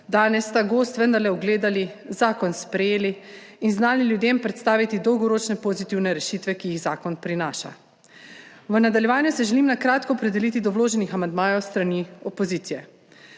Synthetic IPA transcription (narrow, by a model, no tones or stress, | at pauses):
d̪aːnɛsːt̪aɡoːst̪ʋənd̪aɾlɛuɡleːd̪alizaːkɔnspɾɛjeːliːnznaːliljud̪eːmpɾɛt̪st̪aːʋit̪id̪ɔwɡɔɾoːt͡ʃnɛpoːzit̪iwnɛɾɛʃiːt̪ʋɛkijiɣzaːkɔnpɾinaːʃa̰ | ʋənad̪aljɛʋaːnjusɛʒɛlimnakɾaːt̪kɔːpɾɛd̪ɛliːt̪id̪ɔwloːʒɛnixamand̪maːjɔwst̪ɾaniɔpoziːt̪sijɛ